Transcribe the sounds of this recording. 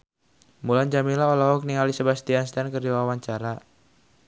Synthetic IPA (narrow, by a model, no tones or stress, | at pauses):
mulaɲd͡ʒamilaɔlaɦɔk̚niŋalisəbast̪ianst̪ankərd͡ʒiwawaɲt͡ʃaɾa